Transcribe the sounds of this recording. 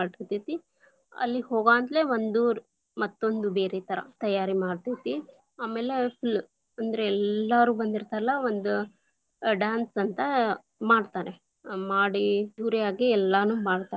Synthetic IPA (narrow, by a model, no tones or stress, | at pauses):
aːɽt̪it̪it̪ːi | ɐ̰lːihoːɡaːnt̪leʋond̪u | mɐt̪ːo̞nd̪ube̞ːɾet̪ʰɐɾɐ̰t̪ɐjaːɾimaːɖt̪it̪ːi | aːmeːlepʰil | ɐnd̪ɐɾeɛlːaɾuːbɐnd̪iɾt̪aːɾɐlːɐʋond̪u | ɖaːnsɐnt̪ɐ | maːɖt̪aːɾe | maːɽisuːɾijaːɡiɛlːanuːmaːɽt̪aːe